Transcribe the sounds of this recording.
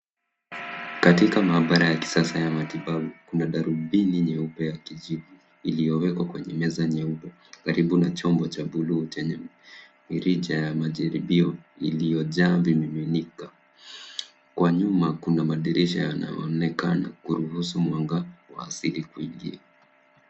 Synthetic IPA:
katikamaːɓaɾajaki̥sasajamatiɓaɓukunaɗaɾubiniɲɛupɛjakiʄivu | ilijɔwɛkwakwɛɲɛmɛzaɲɛupɛ | kaɾiɓunat͡ʃɔmbɔt͡ʃaɓulut͡ʃɛɲɛmiɾiʄajamaʄaɾiɓiɔ | ilijɔʄaːvimiminika | kwaɲumakunamaɗiɾʔiʃajana̰jɔ̰nɛkana̰kuɾuhusumwaŋɡawa̰ːsilikuiŋɡia

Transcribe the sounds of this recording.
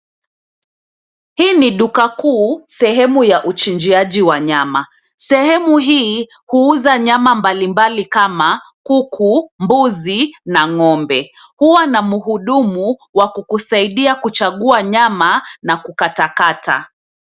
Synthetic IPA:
hiːniɗukakuːsɛɦɛmujaʔut͡ʃind͡ʒiaʄiwaɲama | sɛhɛmuɦiː | huuzaɲamambalimbalikamakukʰumbuzinaŋɔmbɛ | huwanamuɦuɗumuwakukusaiɗiakut͡ʃaɠuaɲamanakukatakata̰

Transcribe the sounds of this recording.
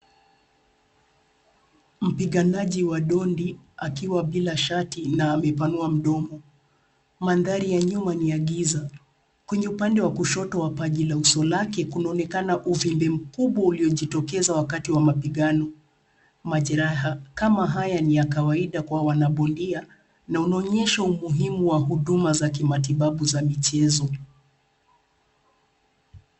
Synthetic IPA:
m̩piɠanaʄiwaɗɔndiakiwaɓilaʃatinaːmɛpanuam̩ɗɔmɔ | manðaɾijaɲumaniaɠiza | kwɛɲɛupandɛwakuʃɔtɔwapaʄilausɔlakɛkunaɔnɛkanaʔuvimbɛm̩kuɓwauliɔʄitɔkɛzawakatiwamapiɠanɔ | maʄɛɾaɦakamaɦajanijakawaiɗakwawanaɓɔndia | naunaɔɲɛʃaumuɦimuwaɦuɗumazak̬imatiɓaɓuzamit͡ʃɛzɔ

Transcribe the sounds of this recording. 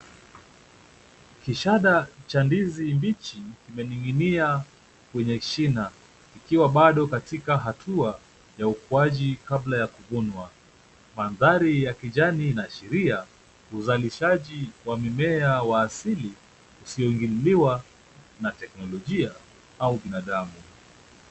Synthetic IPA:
kiʃaɗat͡ʃandizimbit͡ʃikimɛniŋɡinia | kwɛɲɛʃina | ikiwaɓaɗɔkatikaɦatʰua | jaukuaʄikablajakuvunwa | manðaɾijakiʄaninaʃɛɾia | uzaliʃaʄiwamimɛawaːsili | usiɔiŋɡiliwa | natɛknɔlɔʄia | auɓinaɗamu

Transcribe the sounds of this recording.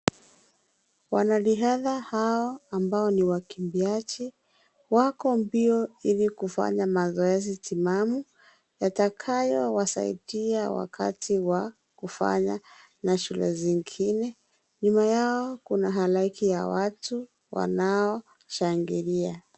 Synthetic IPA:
wanaliɦaðahaɔambaɔniwakimbiat͡ʃi | wakɔmbiɔilikufa̰ɲamazɔɛzitimamu | jatakʰajɔwasa̰ḭdiawa̰kʰa̰tʰiwa | kufa̰ɲa | naʃulɛ̰ziŋɡinɛ | ɲumajaɔkunaɦalaikija̰watu | wa̰naɔ | ʃaŋɡiɾia

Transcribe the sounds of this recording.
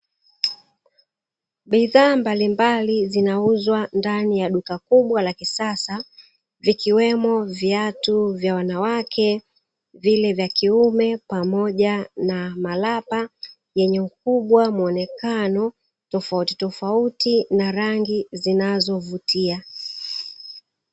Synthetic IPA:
ɓiðaːmbalimbalizinauzwandanijaɗukakuɓwalakisasa | vikiwɛmɔvjatuvjawanawakʰɛ | vilɛvjakiumɛpamɔʄanamalapa | jɛɲɛm̩k̚uɓwamuɔnɛkanɔ | tɔfauti̥tɔfautinaɾaŋɡizinazɔvutia

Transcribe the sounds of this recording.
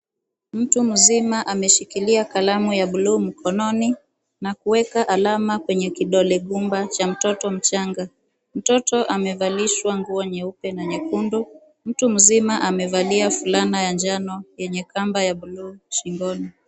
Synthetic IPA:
m̩tum̩zimaʔamɛʃikiliakalamujaɓuluːm̩kʰɔnɔni | nakuwɛkaʔalamakwɛɲɛkiɗɔlɛɠumbat͡ʃam̩tɔtɔm̩t͡ʃaŋɡa | m̩tɔtɔʔamɛvaliʃwaŋɡuɔɲɛupɛnaɲɛkundu | m̩tum̩zimaʔamɛvaliafulanajand͡ʒanɔjɛɲɛkambajaɓuluːʃiŋɡɔni

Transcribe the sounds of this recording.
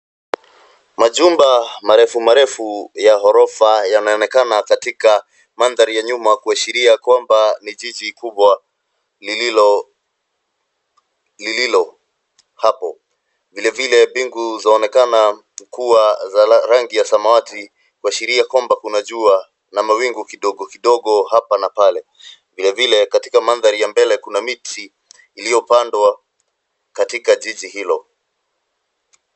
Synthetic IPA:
maʄumbamaɾɛfumaɾɛfujaɦɔɾɔfajanaɔnɛkanakatika | manðaɾijaɲumakuaʃiɾiakwambaniʄiʄikuɓwa | liɔ | lililɔ | hapɔ | vilɛvilɛbiŋɡuzaːnɛkana | kuwazaɾaŋɡijasamawati | kuaʃiɾiakwambakunaʄua | namawiŋɡukiɗɔɠɔkiɗɔɠɔhapanapalɛ | vilɛvilɛkatikamanðaɾijambɛlɛkunamitʰiː | lijɔpandwa | katikaʄiʄihilɔ

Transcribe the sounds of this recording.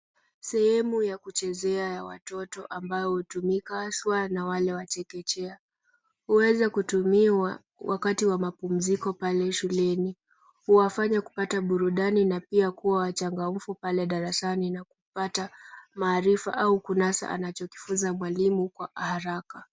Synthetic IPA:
sɛhɛmujakut͡ʃɛzɛajawa̰tɔtɔʔambaɔhutumikaaswanawalɛwat͡ʃɛkɛt͡ʃɛa | huwɛzakutumiwa | wakatiwamapum̩zikɔpalɛʃulɛni | huwafaɲaku̥pataɓuɾuɗaninapiakuwawat͡ʃaŋɡam̩fupalɛɗaɾasaninakupatamaːɾifa̰ʔaukunasa̰ʔa̰nat͡ʃɔki̥fuzamwalimukwaʔahaɾaka

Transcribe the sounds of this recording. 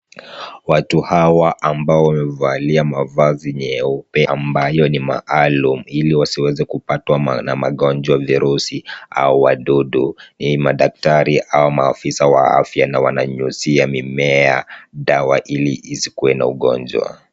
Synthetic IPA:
watuhawaʔambaɔwamɛvaliamavaziɲɛupɛambajɔnima̰ʔalumuiliwasiwɛzɛkupatwanamaɠɔnd͡ʒwaviɾusia̰uwaɗuɗunimaɗak̚taɾiʔaumaːfisawa̰a̰fjanawanaɲusiamimɛaɗawaʔilḭːsikuwɛna̰uɠɔ̰nd͡ʒwa̰

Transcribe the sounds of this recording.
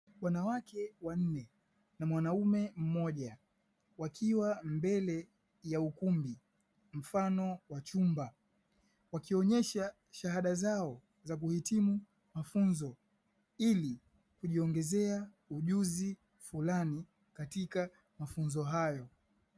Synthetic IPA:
wanawakɛwan̩nɛ | namwanaumɛm̩mɔʄa | wakʰiwambɛlɛ | jaukumbi | m̩fanɔwat͡ʃumba | wakiɔɲɛʃa | ʃaɦaɗazaɔ | zak̬uhitimu | mafunzɔ | ili | kuʄiɔŋɡɛzɛa | uʄuzi | fulani | katika | mafunzɔɦajɔ

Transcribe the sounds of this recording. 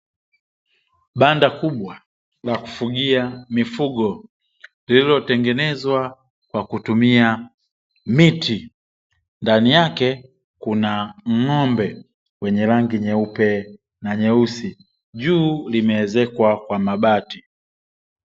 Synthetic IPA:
ɓandakuɓwa | laku̥fuɡiamifuɡɔ | lililɔtɛŋɡɛnɛzwa | kwakutumia | mitʰi | ndanijakɛ | kunaŋ̩ŋɔmbɛ | wɛɲɛlaŋɡiɲɛupɛ | naɲɛusi | ʄuːlimɛɛzɛkwakwamaɓati

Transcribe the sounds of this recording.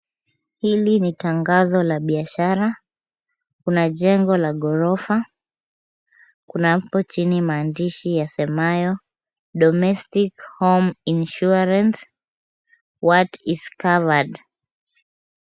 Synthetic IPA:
hilinitaŋɡazɔlaɓiaʃaɾa | kunaʄɛŋɡɔlaɠɔɾɔfa | kunapɔt͡ʃinimaːndiʃijasɛmajɔ | ɗɔmɛstikhɔminʃuaɾans | watiz̥kavad

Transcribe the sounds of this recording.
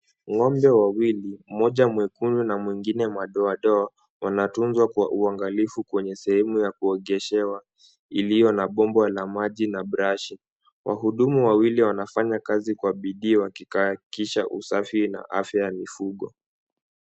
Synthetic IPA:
ŋɔmbɛwawilim̩mɔʄamwɛkununamwiŋɡinɛmaɗɔaɗɔa | wanatunzwakwaʔuaŋɡalifukwɛɲɛsɛhɛmujakuɔɠɛʃɛwa | ilijɔnaɓɔmbalamaʄinaɓɾaʃi | wʔa̰ɦuɗumuwawiliwanafaɲakazikwaɓiɗiːwakikakiʃaʔusafina̰ʔa̰fjajamifuɠɔ

